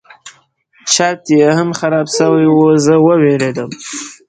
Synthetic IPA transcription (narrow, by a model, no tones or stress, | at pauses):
t͡ʃɑt̪jehamxaɾɑbsəwajwuzəwəweled̪əm